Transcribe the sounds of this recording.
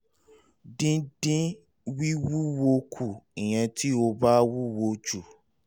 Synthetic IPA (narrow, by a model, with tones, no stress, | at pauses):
dĩ˦dĩ˦ | wi˦wu˦wo˧kʰu˨ĩ˨j̃ɛ̃˧ti˦o˧ba˦wu˦wo˧d͡ʒu˨